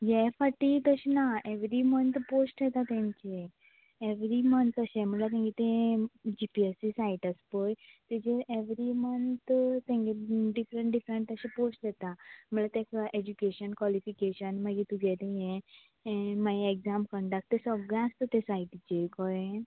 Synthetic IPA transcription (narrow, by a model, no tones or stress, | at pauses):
jefaʈit̪əɕenaʔeʋɾimənt̪posʈd̪ɛt̪at̪ẽɲt͡ɕe | eʋɾimənt̪əɕẽm̤əlat̪̬ẽŋɡit̪ẽd͡ʑipiesisaiʈəspojt̪ed͡ʑeʔeʋɾimənt̪t̪ːɛ̃ŋɡeɖifɾẽɳʈɖifɾeɳʈ̪əɕeposʈd̪ɛt̪am̤əlat̪ekʔed͡ʑukeɕənkʋalifikeɕənmaɡit̪uɡɛlẽjẽ | majeɡzamkəɳɖak̚t̪ːesəɡɭẽast̪ət̪esaiʈit͡ɕekɔe